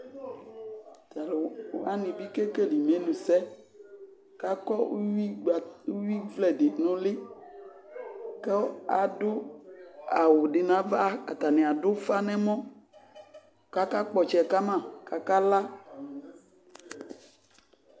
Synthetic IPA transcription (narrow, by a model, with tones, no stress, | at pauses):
t̪a˨la˦nĩ˨bi˦ke˦ke˦li˨mẽ˨˦nũ˨sɛ˦ | ka˦kɔ˦wi˦ɡ͡bwi˦vlɛ˨de˨nɔ̃˦lɪ˦ | ke˦a˨do˦ | a̰˨wo˨ɖɪ˨nã˨va˦a̰˨t̪a˨nẽ˨a˨dʊ˦fa˦nɛ̃˦mɔ̃˦ | ka˦ka˦k͡pɔ˨t͡ʃɛ˨ka˦mã˨ka˨ka˦la˦